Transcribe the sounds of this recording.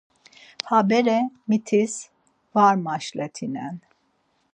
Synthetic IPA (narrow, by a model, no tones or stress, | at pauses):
habɛɾɛmit̪ʰis | vaɾmaʃlɛt̪ʰinɛn